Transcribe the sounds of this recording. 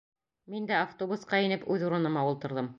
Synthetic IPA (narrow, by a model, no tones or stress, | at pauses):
mind̪æaft̪obusqɑinɘpʉðuɾɤ̆nɤ̆mɑulˠt̪ɤ̆ɾðɤm